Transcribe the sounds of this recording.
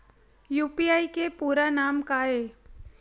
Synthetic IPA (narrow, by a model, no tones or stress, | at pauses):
juːpiaːikepuːɾanaːmkaːɦeː